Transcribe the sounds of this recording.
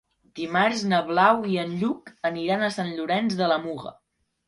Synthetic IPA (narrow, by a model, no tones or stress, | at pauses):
d̪̥imarznəβlawiənʎukəniɾanəsanʎuɾɛnzðələmuɣə̰